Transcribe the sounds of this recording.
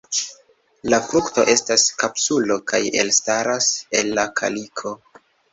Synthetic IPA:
lafɾukto̞̰ʔe̞staskapsulo̞kaje̞̰lstaɾase̞lːakʰa̰likʰo̞

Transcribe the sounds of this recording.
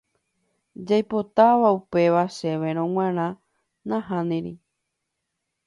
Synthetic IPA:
d͡ʒajpo̞t̪aʋaupe̞ʋaʃe̞ʋeɾ̃õŋ̃ʷãɾ̃ã | nãɦãnĩɾḭ

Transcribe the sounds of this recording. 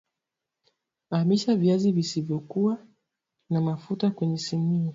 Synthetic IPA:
amiʃaviazivisivjɔkuwa | namafutakwɛɲɛsimia

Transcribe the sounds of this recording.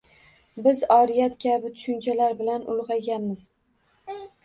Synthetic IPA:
bɪzɒɾijat̪kʲabɪt̪ʰʊ̥ʃʊnt͡ʃʰalaɾbɪlanʊ̰lˠʁɑɡʲanmɪz

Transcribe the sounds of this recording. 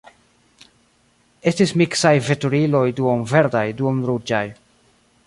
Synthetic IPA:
e̞stismiksajve̞tuɾilo̞jduonve̞ɾdajduonɾud͡ʒaj

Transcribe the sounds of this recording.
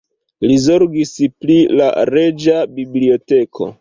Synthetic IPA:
lizo̞ɾɡisplila̰ɾe̞d͡ʒabiblio̞te̞kʰo̞̰

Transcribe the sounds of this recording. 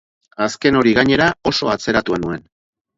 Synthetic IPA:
aske̞no̞ɾiɣaɲe̞ɾao̞so̞at͡se̞ɾat̪uenue̞n

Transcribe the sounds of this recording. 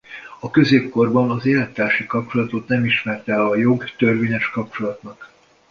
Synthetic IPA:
ɒkø̞zeːpko̞rbɒnɒzeːlɛt̪ːaːrʃikɒp̚t͡ʃo̞lɒt̪o̞t̪nɛmiʃmɛrt̪ɛlɒjo̞ɡt̪ørveːɲɛʃkɒp̚t͡ʃo̞lɒt̪nɒk

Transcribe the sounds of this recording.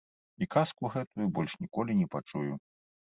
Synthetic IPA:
ikaskuɣɛt̪ujubɔlʲʂnʲikɔlʲinʲɛpat͡ʂuju

